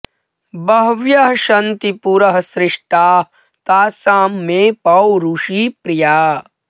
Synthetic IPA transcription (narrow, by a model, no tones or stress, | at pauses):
bɐɦʋjɐɦɐʃɐnt̪ipuɾɐɦɐsɾɪʂʈaːɦ | t̪aːsaːmːẽːpɐwɾuʃiːpɾɪjaː